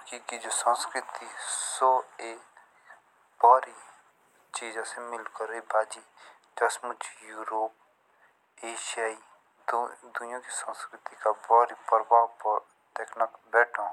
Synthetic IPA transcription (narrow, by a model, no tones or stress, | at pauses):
kikid͡ʒoːsə̃nskɾɪt̪isoːe | bɔːɾi | t͡ʃiːd͡ʒasemɪlkəɾebʱaːd͡ʒiːd͡ʒ̪ɐsmʊt͡ʃjuːɾoːp̚ | eːʃiaːi | d̪ʊjõkisə̃ːskɾɪt̪ikabɔːɾipəɾbʱaːwp | t̪ɛːknəkbɛːʈʰõ